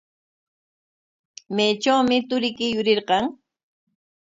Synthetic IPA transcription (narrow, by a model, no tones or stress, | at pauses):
mejt͡ʃawmɪt̪ʊɾɪkɪjʊɾɪɾqɑŋ